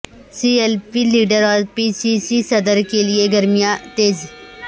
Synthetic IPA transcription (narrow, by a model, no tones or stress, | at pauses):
sielpiliːɖəɾɔːɾpiːsiːsisɐd̪əɾkelieɡɐɾmijãt̪eːz